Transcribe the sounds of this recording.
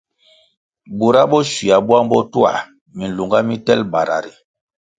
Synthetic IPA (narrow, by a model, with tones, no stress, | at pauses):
bu˨ɾa˦bɔ˦ʃi˨a˨bu˦a˦m˦bɔ˦tu˦a̰˨ | mi˨n̩˨lu˨ŋɡa˦mi˦tɛ˦lba˨ɾa̰˨ɾi˨